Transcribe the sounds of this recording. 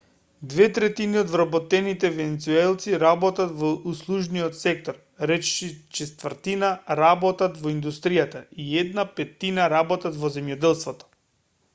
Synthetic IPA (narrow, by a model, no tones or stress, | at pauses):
d̪vɛt̪ɾɛt̪iniɔd̪vɾabɔt̪ɛnit̪ɛvɛnɛt̪suɛlˠt̪siɾabɔt̪at̪vɔuslˠuʒniɔt̪sɛk̚t̪ɔɾ | ɾɛt͡ʃʃit͡ʃɛst̪vəɾt̪inaɾabɔt̪at̪vɔind̪ust̪ɾijat̪aiɛd̪napɛt̪ːinaɾabɔt̪at̪vɔzɛmjɔd̪ɛlˠst̪vɔt̪ɔ̥